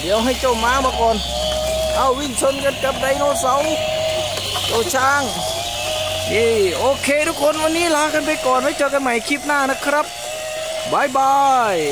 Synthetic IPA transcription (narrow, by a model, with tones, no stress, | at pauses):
ɗɛ˨əwɦə˧jt͡ɕoː˧maː˧ma˧kɔ˧n | ʔa˧wwi˧ŋso˧nkə˧t̪̚kə˧p̚ɗə˧jnɔː˧nsa˧w | t͡ɕoː˧t͡ɕʰaː˧ŋ | ʔi˧ʔoː˧kʰeː˧ɗu˧ko˧nʔɔ˧ni˧˥˨la˧aː˧˥kə˧npe˧kɔ˧nha˧˦jt͡ɕoː˧kə˧nma˧˨jkʰi˧p̚naː˧˩na˧˥kʰɾa˧˥p̚ | ɓaː˨˧jɓaː˧j